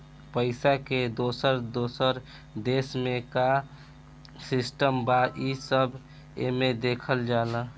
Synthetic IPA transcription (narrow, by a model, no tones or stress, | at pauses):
pəɪsaked̪osəɾd̪osəɾ | d̪esmeka | sisʈəmbaʔisəb | ḛmed̪ekʰəld͡ʒalə